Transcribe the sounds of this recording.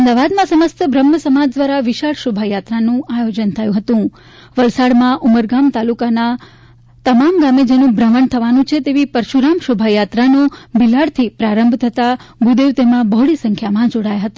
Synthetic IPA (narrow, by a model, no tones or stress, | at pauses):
əmd̪aʋad̪mãsəməst̪əbʱɾəmːəsəmad͡ʒd̪ʋaɾaʋɪʃaɽʃobʱajat̪ɾanũajod͡ʒənt̪ʰəjũɦət̪ũ | ʋəlsaɽmãʔuməɾɡamt̪alukana | t̪əmamɡamed͡ʒenũbɾəʋəɳt̪ʰəʋanũt͡ʃʰet̪eʋipəɾʃuɾamʃobʱajat̪ɾanũbilaɽt̪ʰipɾaɾəmbʱt̪ʰət̪aɡud̪eʋt̪emãbəɦɽisə̃ŋkʰjamãd͡ʒoɽajaɦət̪a